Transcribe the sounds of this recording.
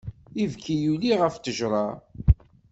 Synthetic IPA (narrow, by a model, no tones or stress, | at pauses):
ivkʰijuliʁəft̪əʒɾˤɑ